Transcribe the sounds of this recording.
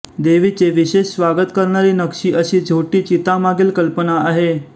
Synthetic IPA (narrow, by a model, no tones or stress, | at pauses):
d̪eʋiːt͡seʋiɕeɕsʋaɡət̪kəɾɳaɾiːnəkʂiːʔəɕiːd͡zʱoʈiːt͡ɕit̪amaɡiːlkəlpənaaɦe